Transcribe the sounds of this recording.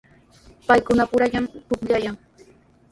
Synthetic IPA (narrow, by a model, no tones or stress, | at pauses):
pajkʊnapʊɾaʎamʊkʎajaŋ